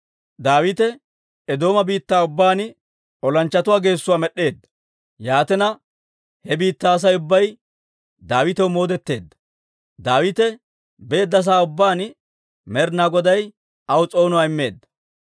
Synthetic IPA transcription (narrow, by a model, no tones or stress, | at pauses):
d̪aːwɪt̪ɛ | ɛd̪o̞ːmɐbiːt̪ːaːʊbːaːn | ɔlɐnt͡ʃːɐt̪ʊwaːɡe̞ːsːʊwaːmɛɗːe̞ːd̪ːɐ̥ | jaːt̪ɛnɐ | hɛbiːt̪ːaːs̬ɐjʊbːɐj | d̪aːwɪt̪ɛwmo̞ːd̪ɛt̪ːe̞ːd̪ːɐ̥ | d̪aːwɪt̪ɛ | be̞ːd̪ːɐs̬aːʊbːaːn | mɛɾnaɡɔd̪ɐj | ɐwʊt͡sʼo̞ːnʊwaːɪmːe̞ːd̪ːɐ̥